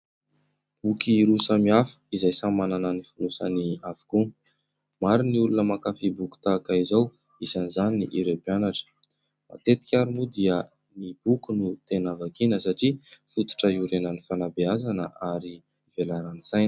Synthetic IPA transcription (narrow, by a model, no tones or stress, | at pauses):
b̥ukiɾusəmiafə̥izajsamanananifunusaniavḁku | maɾiniulunəmakafibuku̥t̪akaizaw | isanizaninḭʔiɾepianaʈ͡ʂə̥ | ma̰t̪et̪i̥kʲaɾunud̪iə | nib̥ukunut̪enavakinəsaʈ͡ʂifut̪u̥ʈ͡ʂəiuɾenənifanabeazanəʔaɾi | v̥elaɾanisajnə